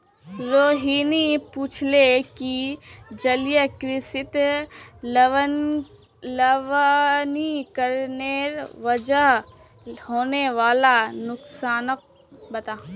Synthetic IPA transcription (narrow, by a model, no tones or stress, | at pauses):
ɾoːɦiːnipuːt͡ʃʰlekid͡ʒɐlijəkɾɪsɪt̪ | ləʋnikəɾneːɾʋəd͡ʒəɦ | hoːneʋaːlanʊksaːnək̚ | bɐt̪aː